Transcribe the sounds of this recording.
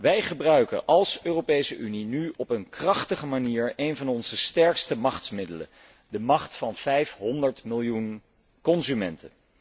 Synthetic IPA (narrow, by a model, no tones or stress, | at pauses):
ʋɛjχəbrœɥkə̰ʔɑlˠsøːrowpejsəʔyninyɔpənkrɑχtəχəmaniːɹejnvɑnɔnzəstɛɹkstəmɑχtmɪdələ̰ | dəmɑχtfɑnv̥ɛjfɦɔndəɹtmɪlˠjun | kɔnzymɛntʰə̰